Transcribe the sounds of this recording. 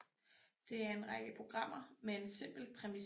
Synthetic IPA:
d̥e̝æɐe̝nʁɑ̈ɡ̥əpʰʁo̝ɡ̥ʁɑ̈m̰ɐmee̝nsem̰b̥l̩pʰʁɛmi

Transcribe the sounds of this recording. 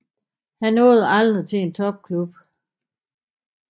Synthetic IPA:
hænːo̽ːð̞ˠɑ̈ld̥ʁit͡sʰe̝e̝nt͡sʰɒ̽b̥̚kʰlub̥

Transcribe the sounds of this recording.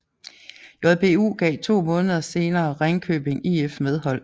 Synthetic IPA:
jɒb̥e̝ːṵːɡ̥ɛ̰ɪt͡sʰo̝̰ːmɔ̽ːnðˠɐse̝ːnɐːʁaŋkʰø̰ːb̥e̝ŋiefmeð̞ˠhɒ̽l̰

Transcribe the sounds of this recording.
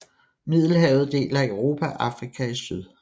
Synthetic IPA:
mið̰ˠl̩ɦɛːʊð̞̩ˠd̥e̝̰ːlæøʊʁo̝ːpʰæʔɑ̈fʁikʰæisyð̞ˠ

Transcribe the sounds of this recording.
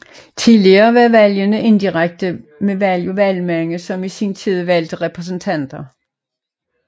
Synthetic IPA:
t͡sʰiðˠliɐːʋæʋæljənəʔe̝nd̥iʁaɡ̥̚d̥əmeʋæljoʋælmæŋəsɒ̽misint͡sʰið̞ˠʋæl̰d̥əʁɛpʰʁɛs̬n̩t͡sʰæn̰d̥ɐ

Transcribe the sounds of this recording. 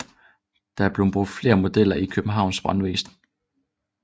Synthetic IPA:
d̥ɑ̈æɐb̥le̝ʊb̥ʁod̥fle̝ːɐmo̝d̥el̰ɐʔikʰøb̥m̩ɦɑ̈ʊnsb̥ʁɑ̈nʋe̝ːsdn̩

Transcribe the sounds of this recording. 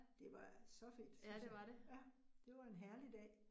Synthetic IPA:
d̥e̝ʋɑ̈sɒ̽fḭːd̥sdeʋɑdejæd̥e̝ʋɑ̈e̝nɦæɐlid̥ɛ̰ː

